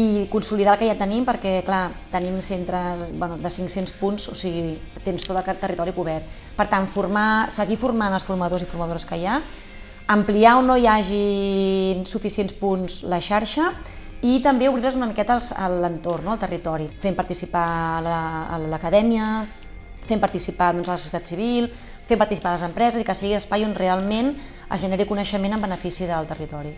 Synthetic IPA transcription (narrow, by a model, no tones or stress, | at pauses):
ikunsuliðalˠkəʒat̪ənimpəɾkɛklat̪ənimsent̪ɾəzbwɛnuðəsiŋksenspunzo̰siɣit̪enst̪ot̪əlˠt̪ərit̪ɔɾikuβ̞ɛrt̪ | pəɾt̪anfuɾmasəɣifurmanəlˠsfuɾməðozifuɾməðoɾəskəja | əmpliaonojaʒi | nsufisienspunzləʃaɾʃə | it̪əmbeuβɾiɾəzunəmikɛt̪əlˠzə̰lənt̪ornːoəlˠt̪ərit̪ɔɾifempəɾt̪isipaləːləkəðɛmiə | fempəɾt̪isipaðɔnzələsu̥sjət̪at̪siβ̞ilˠ | fempɐɾt̪isi̥paðələzəmpɾɛzəzikəsiɣiləspajonrealˠmen | ə̰zʒəneɾikunəʃəmenəmbənəfisiðəlˠt̪ərit̪ɔɾi